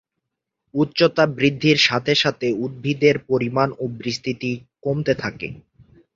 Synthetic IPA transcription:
utːɕot̪abɾid̪ʱːiɾʃat̪ʰeʃat̪ʰeud̪̚bʱid̪eɾpoɾimanobɾist̪ʰit̪ikomt̪et̪ʰakḛ

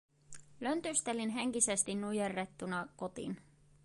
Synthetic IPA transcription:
lø̞nt̪yst̪e̞linɦe̞ŋk̟ise̞st̪inːujerːe̞t̪ːunɑko̞t̪ḭn

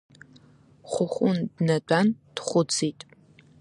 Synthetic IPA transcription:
χʷʊχʷʊndnɐt͡pʼand̥χʷʊd͡ziːtʼ

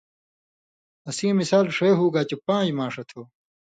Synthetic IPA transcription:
ɐsĩːmisaːlʂeɦuːɡaːt͡ɕepãːd͡ʑmãːʂɐt̪ʰoː

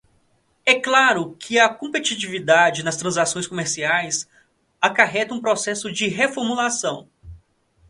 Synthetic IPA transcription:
ɛklaɾʊkʰɪɐkõpet͡ʃit͡ʃivid̪ad͡ʒɪnɐst̪ɾɐ̃zasõj̃skõmeɾsiajs | akaɦɛt̪ɐũpɾosɛsʊd͡ʒɪɦefoɾmulasɐ̃w̃

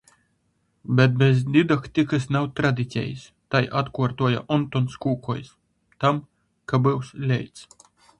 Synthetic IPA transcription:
bʲɛt̪̚bʲɛzd̪ʲid̪akt̪ʲikɨsnawt̪ɾad̪ʲit̪sʲɛ̰jḭs | t̪ajʔat̪kuɔɾt̪uɔja̰ʔɔnt̪ɔnskuːkɔjs | t̪am | kabɨwslʲɛ̰jt̪s

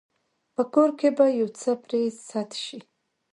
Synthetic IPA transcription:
pʰakʰoɾkʰebajuwt͡sʰapʰresːatʰʃi

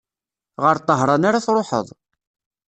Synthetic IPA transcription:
ʁəɾt̪ˤːəɦɾˤɑnaɾaθɾˤoħə̰ðˤ

